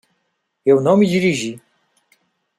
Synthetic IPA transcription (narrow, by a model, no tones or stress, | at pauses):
jɛwnɔwmid͡ʑiɾiʒi